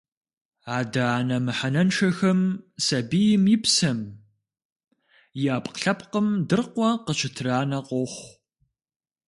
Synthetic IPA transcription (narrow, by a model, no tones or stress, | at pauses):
aːdaaːnɐmɨħanɐnʂɐxɐmsɐbijɪmjɪpsɐm | jaːpqɬɐpqəmdɨrqʷɔqəɕʰɪtʰraːnɐqʷɔχʷ